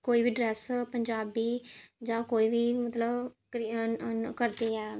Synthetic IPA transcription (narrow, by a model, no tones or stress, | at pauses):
koːiːʋiːɖɾɛːspəɲd͡ʒaːbiːd͡ʒãːkoːiːʋiːmət̪ləbkɾikəɾd̪eːɛː